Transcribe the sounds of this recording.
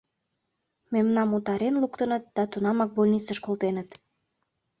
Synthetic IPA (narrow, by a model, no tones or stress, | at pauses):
memnɑmut̪ɑɾenlukt̪ənət̪̚d̪̥ɑt̪unɑmɑk̚bolʲnit͡səʃkolt̪enət̪